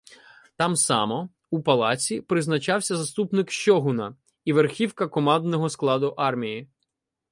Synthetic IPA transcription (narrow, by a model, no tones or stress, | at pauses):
t̪ɑmsɑ̰mɔ | upɐlˠɑt͡sʲipɾɪznɐt͡ʃɑwsʲɐzɐst̪upnɪkʃt͡ʃɔɦʊnɐ | iʋerxʲiwkɐkɔmɑnd̪nɔɦɔsklˠɑd̪ʊʔɑrmʲiji